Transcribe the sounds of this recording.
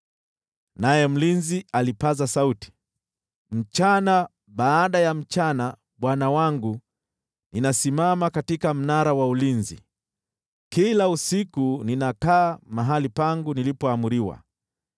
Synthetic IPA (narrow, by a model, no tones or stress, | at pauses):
najɛm̩linzialipazasauti̥ | m̩t͡ʃana | ɓaːɗajam̩t͡ʃana | ɓwanawaŋɡu | ninasimamakatikam̩naɾawaulinzḭ | kilausikuninakaːmaɦalipaŋɡunilipɔamuɾiwa̰